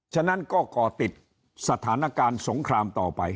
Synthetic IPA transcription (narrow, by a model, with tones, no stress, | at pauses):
t͡ɕʰa˥˩na˦˥˨nkɔː˥˩kɔː˨˩t̪i˨˩t̪̚ | sa˧t̪ʰaː˩˦˥na˦˥˩kaː˧nso˩˦ŋkʰɾaː˧mt̪ɔː˨˩pa˧j